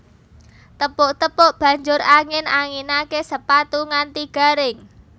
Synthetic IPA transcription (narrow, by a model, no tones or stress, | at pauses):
t̪əpʊʔt̪əpʊʔb̥ä̤ɲd͡ʒʊɾaŋɪnaŋinakesəpat̪uŋant̪iɡ̥a̤ɾɪŋ